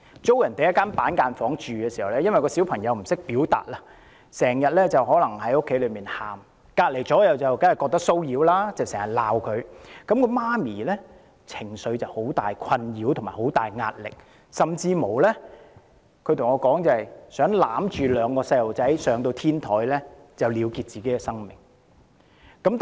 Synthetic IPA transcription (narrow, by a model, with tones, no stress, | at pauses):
t͡so˥wjɐ˨˩nt̪e˨jɐ˥tkːaː˥npaː˨˥nkaː˧nfɔː˨˥ŋt͡ʃyː˨kɛː˧si˨˩hɐ˨˩wlɛː˦˥jɐ˥nwɐ˨jkɔː˧si˨˥wpʰɐ˨˩ŋjɐ˨˧wm̩˨˩sɪ˥k̚piː˨˥wt̪a̰ː˨t̚laː˧ | sɛː˨˩ŋjɐ˨t̚lɛː˥t͡sɐ˨whɔː˨˥lɐ˨˩ŋhɐ˨˥jʊ˥kʰːe˨˥lɵ˨˧ɥmiː˨nhaː˨˩m | kaː˧t̚le˨˩jt͡sɔː˨˥jɐ˨˧wt͡sɐ˨wkaː˥jɐ˨˩kɔ˧k̚t̪ɐ˥k̚so˥wjiː˨˧wlaː˥t͡sɐ˨˩sɛː˨˩ŋjɐ˨˩t̚laː˨wkʰɵ˨˧ɥkɐ˨˥mkɔ˧maː˥miː˨˩lɛ˥ | t͡sʰɪ˨˩ŋsɵ˨˧ɥt͡sɐ˨˩who˨˥wt̪aː˨jkʰɐ˧njiː˨˥wt̪ʰʊ˨˩maː˨˩ho˨˥wt̪aː˨jŋa̰ː˧t̚lɪ̰˨k̚ | sɐ˨mt͡siː˧mo˨˩wlɛː˥ | kʰɵ˧t̪ʰŋɔː˨˧kɔː˨˥ŋt͡sɐ˨˧hɐ˨jsœː˨˥ŋlaː˨˥mt͡ʃyː˨lœː˨˧ŋkɔː˧sɐ˧jlo˨˩wt͡sɐ˨˥jsœː˨˥ŋt̪o˧wt̪ʰiː˥nt̪ʰɔː˨˥jlɛː˥ | t͡sɐ˨wliː˨˧wkiː˧t̚t͡siː˨ke˨˥jkɛ˧sɐ˥ŋmɪ̰˨˩ŋ | kɐ˨˥mt̪